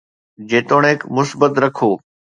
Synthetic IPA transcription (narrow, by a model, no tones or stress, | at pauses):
d͡ʑeːt̪oːɽ̃eːkmʊsbət̪ɾɐkʰoː